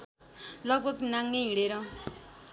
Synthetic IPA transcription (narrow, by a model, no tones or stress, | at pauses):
lʌɡ̚bʱʌɡnaŋːeɦiɽeɾʌ